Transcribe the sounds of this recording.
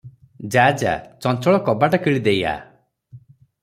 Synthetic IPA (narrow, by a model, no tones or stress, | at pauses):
d͡ʒad͡ʒa̰t͡ʃɔnt͡ʃɔɭɔkɔbaʈakiɭid̪eja̰